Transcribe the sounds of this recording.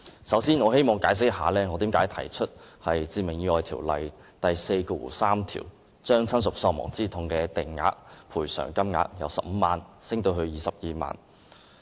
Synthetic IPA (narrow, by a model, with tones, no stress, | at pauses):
sɐ˨˥wsiː˥nŋɔː˨˧he˥jmɔː˨ŋkaː˨˧˥js̬ɪ˥k̚haː˨˦lɛː˥ŋɔː˨˧t̪iː˨˥mkaː˨˥jt̪ʰɐ˨˩jt͡ʃʰɵ˥t̚hɐ˨jt͡siː˧mɪ˨˩ŋjyː˧ɔː˨˧jt̪ʰiː˨˩wlɐ̰˨j | t̪ɐ˨jse˧jkɔ˧wṵː˨˩saː˥mt̪ʰḭː˨˩w | t͡ʃœː˥ŋt͡sʰɐ˥nsʊ˨k̚sɔː˧ŋmɔ̰ː˨˩ŋt͡siː˥t̪ʰʊ˧ŋkɛː˧t̪ɪ˨ŋŋa̰ː˧k̚pʰuː˨˩jsœ̰ː˨˩ŋkɐ˥mŋa̰ː˧k̚jɐ̰˨˧wsɐ˨p̚m̩˨˧maː˨nsɪ˥ŋt̪o˧wɦɵ˧ɥjiː˨˧sɐ˨p̚jiː˧ma̰ː˨n